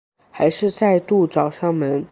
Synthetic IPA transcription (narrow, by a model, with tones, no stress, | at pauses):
xa˧˥ɪʂɻ̩˥˧t͡sa˥˧ɪt̪u˥˩t͡sɑ˨˩ʊʂɑ˥˩ŋmə˧˥n